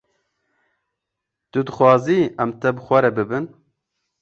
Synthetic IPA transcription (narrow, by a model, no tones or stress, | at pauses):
t̪ɨd̪ɨxʷwɑːziɛmt̪ɛbɨxʷɛɾɛbɨbɨn